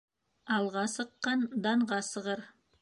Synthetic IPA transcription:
ɑlˠʁɑsɤ̆qːɑnd̪ɑɴʁɑsɤ̆ʁɤɾ

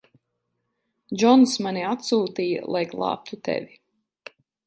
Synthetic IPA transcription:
d͡ʒɔnsmaniat̪suːt̪ija̰lˠajɡlˠɑ̰ːp̚t̪ʰut̪ɛ̰vi

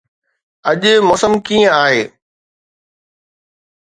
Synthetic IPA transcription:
ɐʄʊ̆mɔːsəmkiːə̃aːɦeː

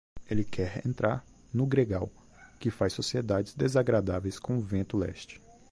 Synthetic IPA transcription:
elɪkʰɛɾḛ̃nt̪ɾaɾ | nʊɡɾeɡaw | kɪfajsosied̪ad͡ʒɪzd̪ezaɡɾad̪avejskõʊvẽnt̪ʊlɛ̰ʃt͡ʃɪ̥

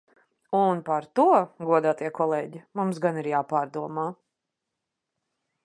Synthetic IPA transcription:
unpaɾt̪uɔɡuɔd̪aːt̪iɛkɔlˠɛːɟimumsɡaniɾjaːpaːɾd̪uɔmaː

